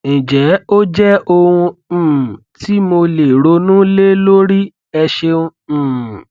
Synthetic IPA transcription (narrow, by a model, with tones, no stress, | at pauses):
nĩ˨d͡ʒɛ˨˦o˦d͡ʒɛ˦o˧hũ˧˨ | ti˦mo˧le˨ɾo˨˧˦nũ˦le˦lo˦ɾi˦ | ɛ˧ʃe˧ũ˧˨